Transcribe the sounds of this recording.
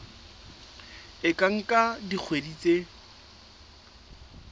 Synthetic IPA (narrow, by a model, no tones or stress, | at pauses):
ɪkʼaŋ̩kʼadik͡xʰwedit͡sʼe